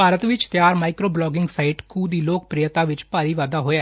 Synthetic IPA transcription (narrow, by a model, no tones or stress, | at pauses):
paːɾət̪ʋɪt͡ʃt̪jaːɾmaːɪkɾoːblɔːɡɪŋɡsaːɪʈkʰuːd̪iːloːk̚pɾijət̪aːʋɪt͡ʃpaːɾiːʋaːd̪aːɦoːjaː